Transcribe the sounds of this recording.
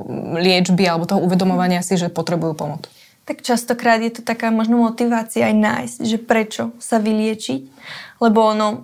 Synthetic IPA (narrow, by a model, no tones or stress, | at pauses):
lɪɛd͡ʒbialɛbɔt̪ɔɦɔuʋɛd̪ɔmɔʋaɲɪasiʒɛpɔt̪ɾɛbujuːpɔmɔt͡s | t̪akt͡ʃast̪ɔkɾaːd̪jɛt̪ɔt̪akaːmɔʒnɔmɔt̪iʋaːt͡siaːjna̰ːjz̥cʒɛpɾɛt͡ʃɔsaʋilɪɛt͡ʃiclɛbɔɔnɔ